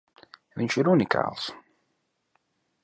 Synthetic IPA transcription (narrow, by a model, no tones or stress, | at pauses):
viɲʃiɾunikʰa̰ːlˠs